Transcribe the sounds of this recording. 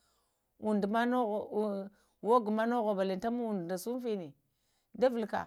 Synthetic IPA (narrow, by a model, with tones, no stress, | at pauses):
u˨ndma˦no˦ɣ | wo˦ɡu˨ma˦no˦ɣo˨ba˨li˨n˦ta˦mu˦u˨ndna˨su˦m˦fi˦ni˨ | da˦vi˨lka̰˨